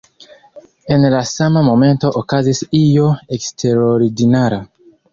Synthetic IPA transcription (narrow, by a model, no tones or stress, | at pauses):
enlasamamomẽ̞nto̞ʔokazisijoekstʰeɾoɾidinaɾa